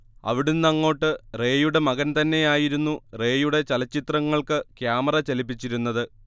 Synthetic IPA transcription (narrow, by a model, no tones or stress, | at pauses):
ɐ̰ʋiɽunnɐŋːo̞ːʈːɨre̞ːjuɽe̞mɐɣɐnt̪ɐnːe̞jaːjiɾunːure̞ːjuɽe̞t͡ɕɐlɐt͡ɕːit̪rɐŋːɐɭkɨkjaːmɐrɐt͡ɕɐlipːit͡ɕːiɾunːɐðɨ